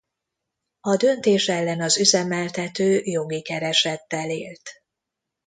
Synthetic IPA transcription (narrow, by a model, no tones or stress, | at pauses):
ɒd̪ø̞nt̪eːʃɛlːɛnɒzyzɛmɛlt̪ɛt̪øːjo̞ɡikɛɾɛʃɛt̪ːɛleːlt̪